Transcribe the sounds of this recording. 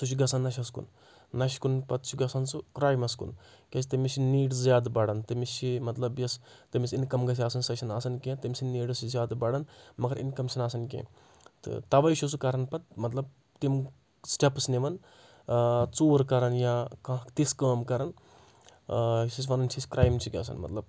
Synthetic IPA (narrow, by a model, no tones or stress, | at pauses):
t̪ut͡ʃʰuɡɐsɐnːɐʃ̬ʲɐskṵnː | ɐʃkunpɐt̪t͡ʃʰuɡɐsɐnsukɾaːjmɐskṵnkʲesʰit̪ɐmisʰiniːɖszjaːd̪bɐɽɐnt̪ɨmisʰimɐt̪lɐbjɐst̪ɨmʲisinkɐmɡɐs̬ʰiaːsɐnsɐʃʲɐnaːsɐnkẽːt̪ɐmʲsʰʲiniːɖɐszʲjaːd̪bɐɽɐnmɐɡɐɾḭnkɐmsʲɐnaːsɐnk̬ḛ̃ː | t̪ɨ̰t̪ɐʋɐjʃʰusukɐɾɐnpɐt̪̚mɐt̪lɐb̚ | t̪im | sʈɐpsneʋɐn | t͡soːɾkɐɾɐnjaːkãt̪iskəːmkɐɾɐn | sis̬ʋɐnɐnt͡ʃʰiskɾaːjmt͡ʃʰiɡʲɐ̰sɐ̰nmɐt̪lɐb